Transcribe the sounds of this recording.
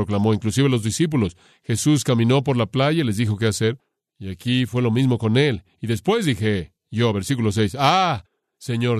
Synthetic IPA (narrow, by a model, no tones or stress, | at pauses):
ɾoklamo̞iŋklusiβelo̞zðisip̬ulo̞s | xe̞sus̬kamĩno̞p̬o̞ɾlaplaʝaile̞zðixo̞k̬e̞ase̞ɾ | iakifwe̞lo̞mizmo̞ko̞ne̞l | iðe̞spwe̞zðixe | ʝo̞βe̞ɾsik̬ulo̞s̬e̞jsa | se̞ɲo